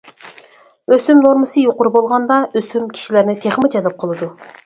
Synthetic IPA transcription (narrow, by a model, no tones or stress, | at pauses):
øsymnoɾmɨsɨjoqʊɾubolˠʁɑnd̪ɑøsymkʲʰi̥ʃilæɾnɪt̪ʰeχmɪt͡ʃʰɛlɛp̚qʰəlˠɨd̪u